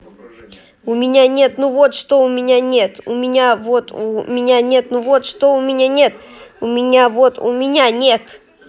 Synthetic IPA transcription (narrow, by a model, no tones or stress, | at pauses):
ʊmʲɪnʲanʲe̞t̪nuvot̪ʂt̪oʊmʲɪnʲanʲet̪ʊ̰mʲɪnʲavot̪umʲɪnʲanʲet̪nuvo̞t̪ʂt̪oʊmʲɪnʲanʲe̞t̪ʊmʲɪnʲavot̪ʊ̰mʲɪnʲanʲet̪